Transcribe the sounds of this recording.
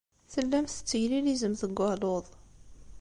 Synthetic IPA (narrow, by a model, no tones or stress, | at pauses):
θəlːæmθə̥t͡sːəʝlilizəmθəɡʷːəloðˤ